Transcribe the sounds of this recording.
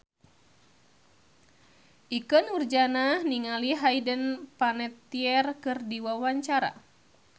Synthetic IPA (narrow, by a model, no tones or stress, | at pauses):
ʔikɔnurd͡ʒananiŋaliɦajdənpanɛt̪ːiɛrkɨrdiwawaɲt͡ʃaɾa̰